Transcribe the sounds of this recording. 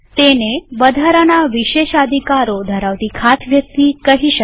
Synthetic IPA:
t̪enebəd̪ʱaɾanaʋiʃeʃəd̪ʱikaɾod̪ʱəɾaʋt̪ikʰat̪ʰʋjək̚t̪ikəɦiʃə

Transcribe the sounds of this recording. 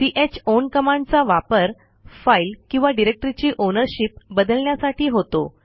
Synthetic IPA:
siʔet͡ɕonkəmãɳɖt͡saʋapəɾ | failkĩw̃ʋaɖiɾek̚ʈɾit͡ɕiːʔonəɾɕipbəd̪əlɳjasaʈʰiːɦot̪o̰

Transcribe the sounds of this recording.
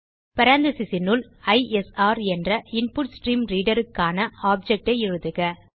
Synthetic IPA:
pɐɾaːnd̪ɐsɪsɪnʊl | ɐɪɛsaːɾɛndrɐɪnpʊʈsʈɾiːmɾiːɽɐɾɯkːaːnɐaːb̚d͡ʒɛk̚ʈɐɪɪɻɯðɯɣɐ

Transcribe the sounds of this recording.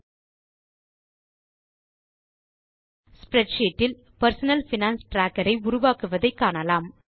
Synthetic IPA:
spɾɛɖʃeːʈːɪl | pɐɾsɐnɐlfɪnaːnsʈɾaːkːɐɾɐɪʊɾʊʋaːkɯʋɐðɐɪkːaːɳɐlaːm

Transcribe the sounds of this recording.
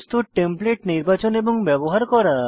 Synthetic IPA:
st̪uʈːempleʈniɾbat͡ɕoneboŋbɛboɦaɾkɔɾa

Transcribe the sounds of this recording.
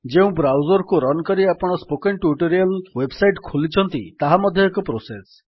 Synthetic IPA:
d͡ʒeũbɾawd͡ʒɔɾkuɾɔnkɔɾiapɔɽ̃ɔspokeɳʈuʈoɾiɔlwebsajʈkʰulit͡ʃʰɔnt̪ḭt̪aɦamɔd̪ʱjɔekɔpɾoses

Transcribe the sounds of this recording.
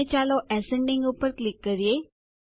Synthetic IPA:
et͡ʃaloʔɛsẽɳɖɪ̃ŋɡupːəɾklɪkːəɾije

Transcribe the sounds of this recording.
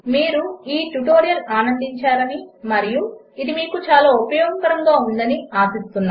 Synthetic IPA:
miːɾuiːʈuʈo̞ːɾijɐlaːnɐnd̪iɲt͡ʃaːɾɐnimɐɾiju | id̪imiːkut͡ʃaːlaːupɐjoɡmpɐɾɐŋɡaːund̪ɐniaːsist̪unːa̰

